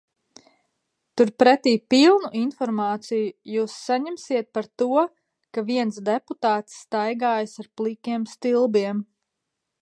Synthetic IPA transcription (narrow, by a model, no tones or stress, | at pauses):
t̪uɾpɾɛt̪iːpilˠnuʔinfɔɾmaːt̪sijujuːsːaɲɛmsiɛt̪̚paɾt̪uɔ | kaviɛnsd̪eput̪aːt̪sːt̪ajɡaːjsaɾplˠikʲiɛmst̪ilˠbiɛm